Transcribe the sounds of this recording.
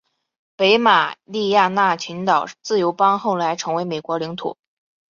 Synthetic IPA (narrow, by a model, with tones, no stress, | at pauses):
pe˧˥ɪma˨˩li˥˧ja˥˧na˥˩t͡ɕʰi˧˥ŋt̪ɑ˨˩ʊt͡sɹ̩˥˩jo˧˥ʊpɑ˥ŋxo˥˩ʊla˧˥ɪʈ͡ʂʰɤ˧˥ŋwe˧˥ɪme˨˩kwɔ˧˥li˧˥ŋt̪ʰṵ˨˩˦